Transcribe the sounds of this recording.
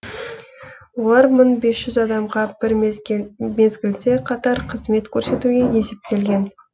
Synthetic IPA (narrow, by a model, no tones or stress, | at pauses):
wo̞lˠɑɾmənbe̞sʒ̥ʏzɑd̪ɑmʁɑb̥ɪɾ | me̞zɡʲɪld̪e̞qʰɑt̪ɑɾqʰəzme̞t̪kʲʰɵɾse̞t̪uɡʲe̞je̞se̞p̚t̪e̞lɡʲe̞n